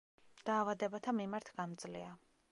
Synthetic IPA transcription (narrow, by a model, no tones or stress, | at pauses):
d̪̥aːvad̪ɛbat̪ʰamimaɾt̪ʰɡamd̪zlia